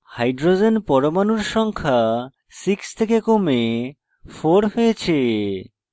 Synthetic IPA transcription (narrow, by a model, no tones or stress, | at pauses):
hajɖɾod͡ʑenpɔɾomanuɾʃɔŋkʰa | sikst̪ʰekekome | foɾɦojet͡ɕʰe